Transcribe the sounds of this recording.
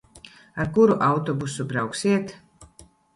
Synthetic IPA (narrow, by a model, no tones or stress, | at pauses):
aɾkuɾuʔawt̪ɔbusubɾawksiɛt̪ʰ